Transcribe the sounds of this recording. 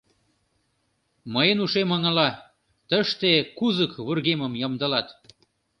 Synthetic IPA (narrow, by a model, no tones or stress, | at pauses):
məjənuʃemə̆ŋə̆lɑ | t̪əʃt̪ekuzəkβurɣemə̆mjəmd̪ɤ̆lɑt̪